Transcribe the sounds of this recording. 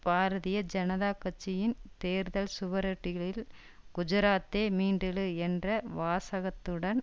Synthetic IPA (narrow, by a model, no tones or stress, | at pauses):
paːɾɐðɪjɐd͡ʒɐnɐðaːkːɐt͡ʃːɪjɪnt̪eːɾðɐlsʊʋɐɾɐʈːɪɣɐɭɪl | ɡ̥ʊd͡ʒɪɾaːt̪ːeːmiːɳɖɪɭɯɛndrɐʋaːsɐɣɐt̪ːɯɽɐn